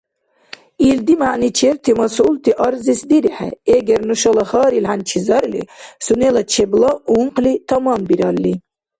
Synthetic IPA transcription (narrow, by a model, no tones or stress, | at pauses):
ild̪imaʕnit͡ʃʰɛɾt̪ʰimɑsult̪ʰiʔɑɾzisd̪iɾiħɛ̰ɛɡɛɾnuʃɔlaχaːɾilħant͡ʃʰizaɾlḭsunɛlat͡ʃʰɛblˠauɴqʰlit̪ʰamambiɾalːi